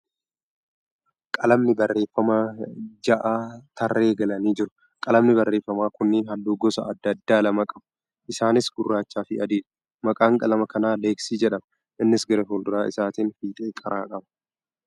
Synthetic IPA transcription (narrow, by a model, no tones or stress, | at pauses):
kʼɐlɐmnɪbɐrːe̞ːfːɐmad͡ʒɐʔaːt̪ʰɐrːe̞ːɡɐlɐniːd͡ʒɪɾʊ̥ | kʼɐlɐmnɪbɐrːe̞ːfːɐmaːkʊnːɪɦɐlːuːɡɔsɐ̰ɐd̪ːɐd̪ːaːlɐmɐkʼɐb | ʔɪsaːnɪsɡʊrːaːt͡ʃːaːfɪɐd̪eːl | mɐkʼaːŋkʼɐlɐmɐkɐnaːleːksiːd͡ʒɛᶑɐm | ʔɪnːɪsɡɐɾɛfoːld̪ʊɾaːʔɪ̰saːt̪iːnfiːt̪ʼeːkʼɐɾaːkʼɐbɐ̥